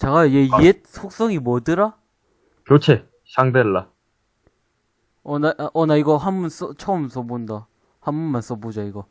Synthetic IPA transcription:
t͡ɕaɡajojeiet̚sʰok̚s͈ʌŋimʌdɯɾa | kjot͡ɕʰe | ɕʰaŋdeɭːa | ʌnaʌnaiɡʌɦanbuns͈ʌt͡ɕʰʌmsʰʌbonda | hambunmans͈ʌbod͡ʑaiɡʌ

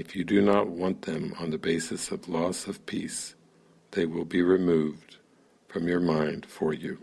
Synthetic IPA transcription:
ɨfjɨdɨnət̚wɑ̃nðɨ̃mə̰̃nðɨbeɪsɨsʌvlɔsʌv̥pʰis | ðeɪwɪlˠbiɹɪmuvd̥ | fɹʌ̃mjə˞mãɪ̃nd̥fə˞jʉ

